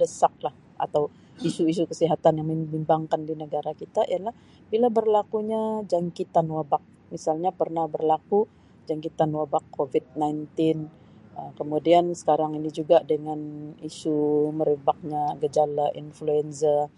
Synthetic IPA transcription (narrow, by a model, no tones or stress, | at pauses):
dəsak̚lah | a̰t̪aw | isuis̬ukəsiɦat̪anjaŋməmbimbaŋkandinəɡaɾakit̪aʔḭanlah | bilabərlakuɲad͡ʒaŋkit̪anwabak̚ | misalɲapərnahbərlaku | d͡ʒaŋkit̪anwabakʰːovit̪̚najnt̪ɪn | əmkəmudiansə̥kaɾaŋinid͡ʒuɡadəŋanisuməɾəbak̚ɲaɡəd͡ʒalaʔinfluɛnza